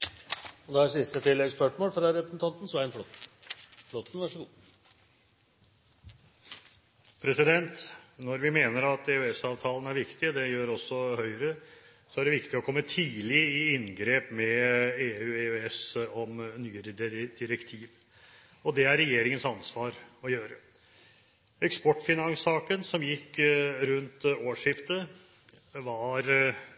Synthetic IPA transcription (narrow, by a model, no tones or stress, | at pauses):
ɔd̪ɛæsɪst̪ət̪ʰɪlːɛɡspœʂmoːlfɾɑɾɛpɾəsn̩t̪ʰɑnt̪n̩sʋæɪənflɔt̪ | flɔt̪ːn̩ʋæʂɔɡuː | pʰɾɛsɪd̪ɛnt̪nɔɾʋɪmeːnəɾɑt̪ɛʉɛsɑːʋt̪ʰɑːlənæɾʋɪkt̪ɪd̪ɛjøːɾɔsːɔhœʏəɾə | sɔæɖɛʋɪkt̪ɪɔkʰɔmːət̪ʰiːlɪɪɪnɡɾeːpmɛeːʉːeʉɛsɔmnyːəɾəd̪̥ɪɾɛkt̪ʰiːʋ | ɔd̪ɛæɾːɛjeːɾɪŋənsɑnsʋɑːɾɔjøːɾə | ɛkspɔʈːfɪnɑŋsɑːkənsɔmjɪkːɾʉnt̪oːʂɪft̪ə | ʋɑɾ